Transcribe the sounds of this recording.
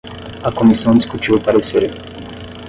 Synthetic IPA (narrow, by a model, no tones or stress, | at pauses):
akomisɐ̃w̃d̪iskut͡ʃiupaɾeseɾe